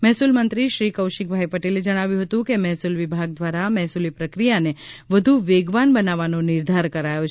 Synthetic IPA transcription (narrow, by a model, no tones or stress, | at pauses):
mɛɦsulmənt̪ɾiʃɾikəwʃik̚bʱaipəʈeled͡ʒəɽ̃aʋjũɦət̪ũkemɛɦsulʋɪbʱaɡ̚d̪ʋaɾamɛɦsulipɾəkɾijane | ʋəd̪ʱuʋeɡʋanbənaʋanonɪɾd̪ʱaɾkəɾajot͡ʃʰ